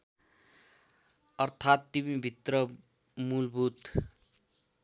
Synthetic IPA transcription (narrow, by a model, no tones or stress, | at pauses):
ʌrt̪ʰat̪ːimĩbʱit̪rʌ | mulbʱut̪